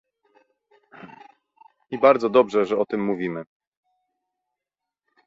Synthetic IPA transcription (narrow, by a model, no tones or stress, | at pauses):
ibaɾd̪zɔd̪ɔbʐɛʐɛɔt̪ɘmːuvʲimɘ